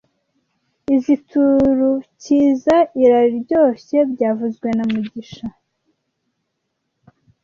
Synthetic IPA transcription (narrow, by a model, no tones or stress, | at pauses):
izitʰuɾuciːzaʔiɾaɾiɾɟo̞ːɕe̞bɟaːvuzɡwe̞namuɟiʃa